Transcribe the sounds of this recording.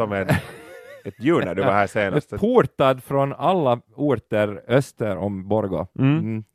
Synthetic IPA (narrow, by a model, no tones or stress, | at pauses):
ɔmɛn | ɛt̪jʉːɳa̰d̪ɛʋahæːseːnst̪pʰuːɾt̪ad̪fɾɔnalːauːɾt̪əɾœst̪əɾɔmbɔɾɡɔ̰